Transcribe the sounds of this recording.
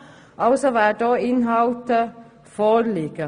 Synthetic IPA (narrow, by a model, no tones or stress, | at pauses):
ʔɑlsɔʋæːʈoːɪnhɑlt̪ə | fɔɾliːkə